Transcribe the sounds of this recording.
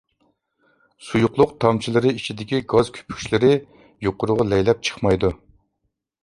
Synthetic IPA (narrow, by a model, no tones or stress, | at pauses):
sujʊqlˠʊqt̪ʰɑmt͡ʃʰilˠɨɾɨit͡ʃʰid̪ɪkʲiɡɑzkʲʰy̥pʰy̥ʃlɪɾɪ | joqʊɾʊʁɑlɛjlɛp̚t͡ʃʰə̥χmɑjd̪u